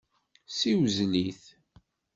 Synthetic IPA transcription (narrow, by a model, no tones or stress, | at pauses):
siwzliθ